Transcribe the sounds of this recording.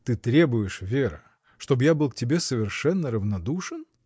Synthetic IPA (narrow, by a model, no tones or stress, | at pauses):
t̪ɨt̪ɾʲe̞bʊjɪʂvʲeɾɨ̰ | ʂt̪o̞bjabɨlˠktʲɪbʲe̞səvʲɪrʂɛnːəɾəvnɐd̪uʂɨn